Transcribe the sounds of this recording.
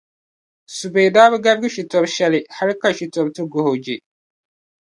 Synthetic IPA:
su˨beː˨daː˦bɨ˦ɡa˦bɡi˦ʃi˨tɔ˨bʃɛ˦lɪ˨ha˦ɾi˦ka˨ʃi˨tɔ˨b̚tɨ˦ɡo˨ho˨d͡ʒe˨

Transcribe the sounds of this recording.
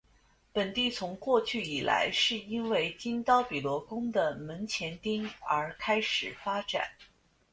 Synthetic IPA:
pə˨˩nt̪i˥˩t͡sʰʊ˧˥ŋkwɔ˥˧t͡ɕʰy˥˩i˨˩la̰˧˥ɪʂɻ̩˥˩i˥nwe˥˩ɪt͡ɕi˥nt̪ɑ˥ʊpi˨˩lwɔ˧˥kʊ˥ŋd̪ə˨mə˧˥nt͡ɕʰjɛ˧˥nt̪i˥ŋə˞˧˥kʰa˥ɪʂɻ̩˨˩fa˥ʈ͡ʂa̰˨˩˦n

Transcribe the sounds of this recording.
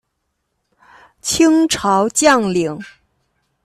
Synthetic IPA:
t͡ɕʰi˥ŋʈ͡ʂʰɑ˧˥ʊt͡ɕjɑ˥˩ŋli˨˩˦ŋ

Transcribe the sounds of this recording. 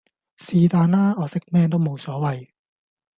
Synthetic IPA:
siː˧t̪aː˧naː˥ɔː˨˧sɪ˥k̚mɛː˥nt̪o˥wmo˨˧wsɔː˨˥wɐ˨˧j

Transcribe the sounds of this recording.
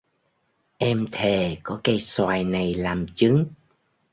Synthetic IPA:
ʔɛ˧mt̪ʰe˨˩kɔ˨˦ka˧˦jswaː˨˩jna˨˩jlaː˨˩mt͡ɕɨ˨˦ŋ

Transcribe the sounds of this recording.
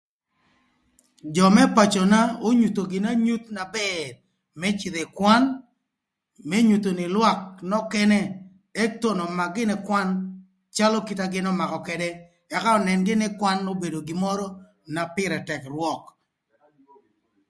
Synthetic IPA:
d͡ʒɔ˨mɛ˦pa˨t͡ʃɔ˨na˦o˦ɲu˨t̪o˨ɡɪ˨na˦ɲu˦t̪na˨bɛd | mɛ˦t͡ʃɪ˨ðe˨kwa˦n | mɛ˦ɲu˨t̪o˨nɪ˨lwa˦k̚nɔ˦kɛ˦nɛ˦ | e˦k̚to˦nɔ˨ma˨ɡɪ˦nɛ˨kwa˦n | t͡ʃa˦lo˦ki˦ta˦ɡɪ˦nɔ˦ma˨kɔ˨kɛ˨dɛ˦ | a˨ka˦ɔ˨nɛ˨nɡɪ˦nɪ˦kwa˦nːo˦be˨do˨ɡɪ˨mɔ˦ɾɔ˦ | na˨pɪ˦ɾɛ˨tɛ˨krwɔ˨k

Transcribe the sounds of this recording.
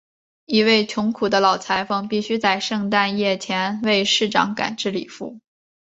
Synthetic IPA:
i˧˥we˥˩ɪt͡ɕʰjʊ˧˥ŋkʰu˨˩d̪ə˦lɑ˨˩ʊt͡sʰa˧˥ɪfɤ˨˩ŋpi˥˩ɕy˥t͡sa˥˧ɪʂɤ˥˧ŋt̪a˥˧njɛ˥˩t͡ɕʰjɛ˧˥nwe˥˧ɪʂɻ̩˥˩ʈ͡ʂɑ̰˧˥ŋka̰˨˩nʈ͡ʂɻ̩˥˩li˨˩fṵ˥˩

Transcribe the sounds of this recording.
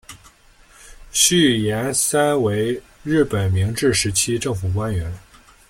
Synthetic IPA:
ɕy˥˩jɛ˧˥nsa˥nwe˧˥ɪ | ɻɻ̩˥˩pə˨˩nmi˧˥ŋʈ͡ʂɻ̩˥˩ʂɻ̩˧˥t͡ɕʰi˥ʈ͡ʂɤ˥˩ŋfu˨˩k̬wa˥nɥɛ˧˥n

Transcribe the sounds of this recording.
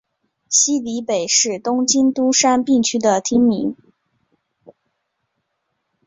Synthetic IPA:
ɕi˥li˧˥pe˨˩ɪʂɻ̩˥˩t̪ʊ˥ŋt͡ɕi˥nt̪u˥ʂa˥npi˥˩ŋt͡ɕʰy˥d̪ə˨t̪ʰi˥ŋmi˧˥ŋ

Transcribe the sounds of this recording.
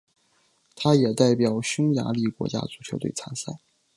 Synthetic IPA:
t̪ʰa˥jɛ˨˩t̪a˥˩ɪpjɑ˨˩ʊɕʊ˥ŋja̰˧˥li˥˩kwɔ̰˧˥t͡ɕja̰˥t͡su˨˩t͡ɕʰjʊt̪we˥˩t͡sʰa˧˥nsa̰˥˩

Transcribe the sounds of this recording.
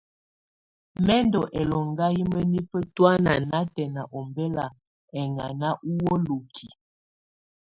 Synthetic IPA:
mɛ˦ndɔ˨ʔɛ˨lɔ˨ŋɡa˦ji˦mə˦ni˦pə˦twa˦na˨na˦tɛ˨na˨ʔɔ˨mbɛ˦la˨ | ɛ˨ŋa̰˨na˦ʔu˦wɔ˦lo˨kʰi˨

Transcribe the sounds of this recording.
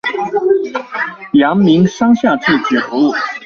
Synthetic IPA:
jɑ˧˥ŋmi˧˥ŋʂɑ˥ŋɕja˥˧ʈ͡ʂɻ̩˥˩t͡ɕɛ˨˩xɔ˧˥u˥˩

